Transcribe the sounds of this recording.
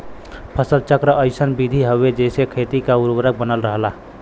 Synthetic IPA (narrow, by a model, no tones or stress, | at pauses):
pʰəsəlt͡ʃəkɾəʔəɪsənbid̪ʱiɦəʋed͡ʒeɪsekʰet̪ikauɾwəɾək̚bənəlɾəɦla